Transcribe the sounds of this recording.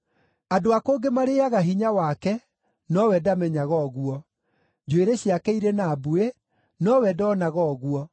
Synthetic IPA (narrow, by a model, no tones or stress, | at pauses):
adoakoːɡemaɾeaɣaɦiɲawakɛ | nɔwɛdamɛɲaɣɔɣuɔ | d͡ʑweɾeɕiakɛiɾenaːbue | nɔwɛdɔɔnaɣɔɣuɔ